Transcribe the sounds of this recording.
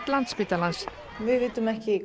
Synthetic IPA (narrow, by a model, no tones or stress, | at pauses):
t̪lant̪spit̪alans | vɪðvɪːt̪ʏmɛhcɪ